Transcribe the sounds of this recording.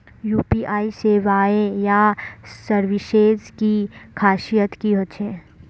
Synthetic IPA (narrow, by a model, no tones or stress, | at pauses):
juːpiːʔaːiseːʋaːejasəɾʋɪʃeːzkikʰaːʃijət̪kiɦoːt͡ʃʰẽː